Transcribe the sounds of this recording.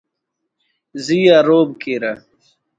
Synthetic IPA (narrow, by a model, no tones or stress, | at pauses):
zijaːɾoːbkeːɾa